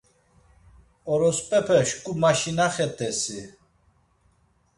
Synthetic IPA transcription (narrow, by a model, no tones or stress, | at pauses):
ɔɾɔspʼɛpʰɛʃkʼumaʃinaχɛt̪ʰʼɛsi